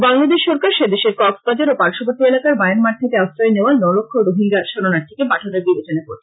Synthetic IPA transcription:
baŋlad̪eʃːɔɾkaɾʃed̪eʃeɾkɔksbad͡ʑaɾopaɾʃopoɾt̪ielakaɾbaenmaʈ̚t̪ʰekeast̪ɾɔjeneoanɔlokʰːoɾoɦiŋɡaɾʃoɾonaɾt̪ʰi̥kepaʈʰod̪eɾbibet͡ɕoneko̰ɾʰe

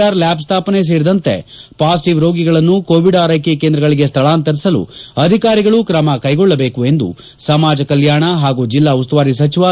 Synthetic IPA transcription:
aːɾlaːpst̪ʰaːpɐnes̬eːɾid̪ɐnt̪e̞̰paːsiʈiʋɾo̞ːɡiɡɐɭɐnːukoːʋiɖaːɾɐjkekeːnd̪ɾɐɡɐɭiɡe̞st̪ʰɐɭaːnt̪ɐɾisɐlṵɐd̪ʱikaːɾiɡɐɭukɾɐmɐkɐjɡɔɭːɐbe̞ːkue̞nd̪ṵ | sɐmaːd͡ʒɐkɐljaːɳɐɦaːɡuːd͡ʒilːaːust̪uʋaːɾis̬ɐt͡ʃiʋa

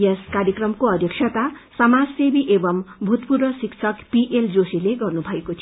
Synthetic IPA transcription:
jeskaɾjʌkrʌmkoʌd̪ʱjʌkʂʰʌt̪asʌmad͡zsebiʔebʌmbʱut̪purʌsiksʰʌkpiʔeld͡zosileɡʌrnubʱʌekot͡sʰ

